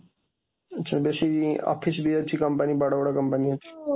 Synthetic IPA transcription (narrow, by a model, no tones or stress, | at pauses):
t͡ɕʰabeʃiɔ̰fʰisbiat̪ʰikɔmpanibaɽabɔɽakɔmpaniɦot͡ɕʰe̥